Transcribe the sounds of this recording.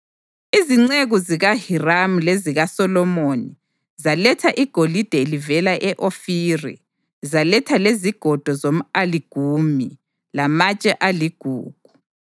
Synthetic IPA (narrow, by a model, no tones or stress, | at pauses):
iziŋ͡ǀeɣuziɣahiramuleziɣasɔlɔmoni | zalɛtʰaʔiɡ̥ʱolid̥ʱelivɛlaʔɛʔofiːrḭ | zalɛtʰaleziɡ̥ʱɔd̥ʱɔzom̩aliɡ̥ʱumḭ | lamat͡ʃʼɛʔaliɡ̥ʱṵːɡ̥ʱu